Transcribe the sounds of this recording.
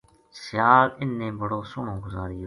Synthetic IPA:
sɪjaːlɪnːẽːbʱəɽoːsʊɳõːɡʊzaːɾiː

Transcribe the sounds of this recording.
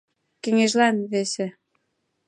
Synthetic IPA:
keŋeʒlænβesĕ

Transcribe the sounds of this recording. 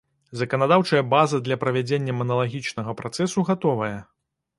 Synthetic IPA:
zɐkɐnad̪awt͡ʂɐjɐbazɐd̪lʲɐpɾɐvʲad͡zʲenʲːɐmɐnɐlˠaɣʲit͡ʂnɐɣɐpɾat̪sɛsuɣat̪ɔvɐjɐ

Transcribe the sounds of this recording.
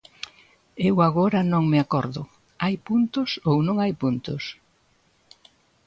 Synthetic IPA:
ewaɣoɾɐnõŋmeakɔɾðʊ | ajpunt̪ʊsownõŋajpunt̪ʊs

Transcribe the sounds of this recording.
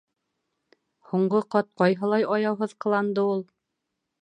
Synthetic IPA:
huɴɢɤqɑt̪̚qɑjɦɤ̆lˠɑjɑjɑwɦɤðqɤ̆lˠɑnd̪ɤulˠ

